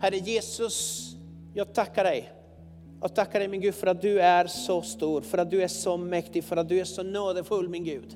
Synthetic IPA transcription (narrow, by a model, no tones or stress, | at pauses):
hæɾəjeːsɵs | jɑːɡ̚t̪ʰakːaɖɛj | jɔ̰ːɡ̚t̪ʰakːaɖɛɪjmɪnɡʉ̟ːd̪fœɾat̪̚d̪ɵæɾʂɔst̪uːɾfœɾat̪̚d̪ɵæʂɔmɛkt̪ɪɡfœɾat̪̚d̪ɵæʂɔnoːd̪əfɵlːmɪnɡʉ̟ːd̪